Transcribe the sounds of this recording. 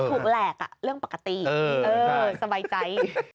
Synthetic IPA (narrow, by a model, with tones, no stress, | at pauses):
t̪ʰuː˨˩k̚lɛː˨˩k̚a̰˨˩ɾɯ˥˩əŋpa˨˩kːa˧t̪iː˨˩˧ʔɤː˧sa˧baː˧jt͡ɕa˧j